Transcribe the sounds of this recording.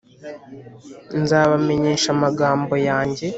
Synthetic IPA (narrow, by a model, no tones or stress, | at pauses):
nzaːβame̞ɲe̞ːʃamaɡaːmbo̞jaːɲɟe̞